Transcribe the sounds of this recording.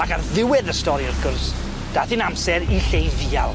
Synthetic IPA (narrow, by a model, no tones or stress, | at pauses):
akarðɪwɪðəstɔɾiɔrkʊrs | d̥aːθiːnamsɛɾiɬejðiːalˠ